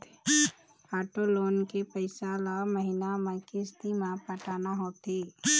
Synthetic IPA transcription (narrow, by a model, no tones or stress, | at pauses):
aːʈoloːnkepəɪsalaməɦɪnamãkɪst̪imãpəʈaːnaɦoːt̪eː